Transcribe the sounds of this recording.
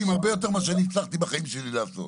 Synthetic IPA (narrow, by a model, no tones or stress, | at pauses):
imhaʁbe̞jo̞t̪̬e̞ʁmaʃeanit͡slaχt̪ibaχaimʃelileaso̞̰t